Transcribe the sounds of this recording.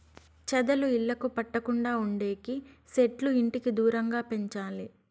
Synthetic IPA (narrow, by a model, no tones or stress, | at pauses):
t͡ʃɛd̪ɐluiɭːɐkupɐʈːɐkuɳɖaːuɳɖe̞ːkiseʈluiɳʈikid̪uːɾɐŋɡaːpe̞ɲt͡ʃaːli